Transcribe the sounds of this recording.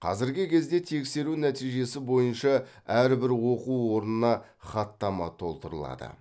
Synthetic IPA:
qʰɑ̰zɪɾɡʲɪkʲʰe̞zd̪e̞t̪ʰe̞kse̞ɾunæt̪ijʒe̞sɪbo̞jənʃɑ | æɾbɪɾwo̞quwwo̞ɾnənɑ | χɑt̪ːɑmɑ̰t̪ʰo̞lˠt̪əɾə̰lˠɑ̰d̪ə̰

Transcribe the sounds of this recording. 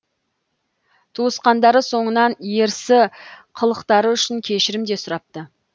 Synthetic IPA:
t̪ʰuəsqɑnd̪ɑɾəso̞ɴənɑnje̞ɾsɪqʰəlˠəqt̪ɑɾəʏʃɪŋkʲʰe̞ʃɪɾɪmd̪e̞sʊɾɑp̚t̪ə

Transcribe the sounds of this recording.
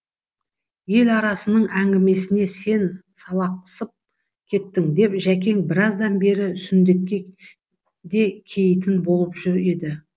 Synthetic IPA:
je̞lɑɾɑsənəɴæŋɡʲɪme̞sɪne̞se̞nsɑlˠɑq̪̚ʰə̥səp̚ | kʲʰe̞t̪ːɪŋd̪e̞pʒækʲe̞ŋbɪɾɑzd̪ɑnbe̞ɾɪsʏnd̪e̞t̪̚kʲe̞ | d̪e̞kʲʰe̞jɪt̪ɪnbo̞lˠəpʒ̥ʏɾe̞d̪ɪ

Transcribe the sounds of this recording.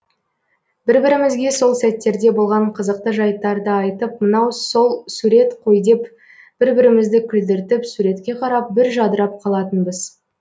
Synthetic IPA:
b̥ɪɾbɪɾɪmɪzɡʲe̞so̞lˠsæt̪ːe̞ɾd̪e̞bo̞lˠʁɑɴqʰəzəq̚t̪əʒɑjt̪ɑɾd̪əɑjt̪əp̚mənɑwso̞lˠsuɾe̞t̪qʰojd̪ep | b̥ɪɾbɪɾɪmɪzd̪ɪkʲʰʏld̪ɪɾt̪ɪpsuɾe̞t̪kʲe̞qʰɑɾɑp̚bɪɾʒɑd̪əɾɑp̚qʰɑlˠɑt̪ənbəz̥

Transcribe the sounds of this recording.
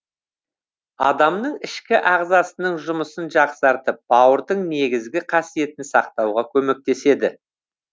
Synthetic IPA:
ɑ̰d̪ɑmnəɴɪʃkʲɪʔɑʁzɑsənəɴʒʊməsənʒɑqsɑɾt̪əp̚bɑwəɾd̪əɴne̞ɡʲɪzɡʲɪqʰɑsije̞t̪ɪnsɑqt̪ɑwʁɑkʲʰɵme̞k̚t̪e̞se̞d̪ɪ

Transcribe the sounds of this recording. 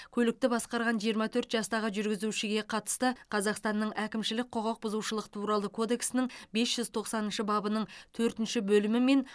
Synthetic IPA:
kʲʰɵlɪk̚t̪ɪbɑsqɑɾʁɑnʒijəɾmɑt̪ʰɵɾt̪ʒɑst̪ɑʁəʒʏɾɡʲɪzuʃɪɡʲe̞qʰɑt̪ə̥st̪əqʰɑzɑqst̪ɑnːəɴʔækʲɪmʃɪlɪk̚ʲqʰoʁɑq̚bʊzuwʃəlˠəqt̪ʰuɾɑlˠəkʰo̞d̪e̞ksɪnɪŋbe̞sʒ̥ʏzt̪ʰo̞qsɑnənʃəbɑbənəɴt̪ʰɵɾt̪ɪnʃɪbɵlɪmɪme̞n

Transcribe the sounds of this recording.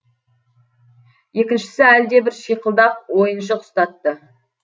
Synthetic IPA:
je̞kʲɪnʃɪ̥sɪæld̪e̞bɪɾʃijqəlˠd̪ɑq̚wo̞jənʃ̬əqʰʊ̥st̪ɑt̪ːə

